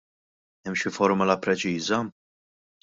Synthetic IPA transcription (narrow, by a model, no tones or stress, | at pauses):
ɛmʃɪfɔɾmʊlɐpɾɛt͡ʃiːzɐ